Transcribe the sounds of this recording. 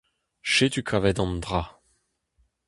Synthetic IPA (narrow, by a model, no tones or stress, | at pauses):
ʃet̪ykʰavɛd̪ɑ̃nd̪ʁa